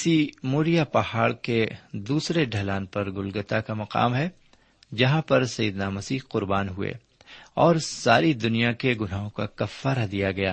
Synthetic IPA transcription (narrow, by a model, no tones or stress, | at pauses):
ɪsimoːɾijapɐhaːɭked̪uːsɾeɖʱɐlaːnpɐɾɡʊlɡət̪akamɐqa̰ːmɦɛ | d͡ʒɐɦãpɐɾsɐjid̪namɐsiːɦqʊɾbaːnɦʊḛ | ɔːɾsaːɾid̪ʊnijakeɡʊnaːɦõkakɐfːaːɾad̪ijaɡɐja̰ː